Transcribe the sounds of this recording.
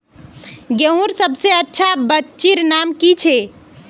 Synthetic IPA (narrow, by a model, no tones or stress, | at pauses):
ɡeɦuɾsəbseətːʃʰabətːt͡ʃiɾnamkit͡ʃʰe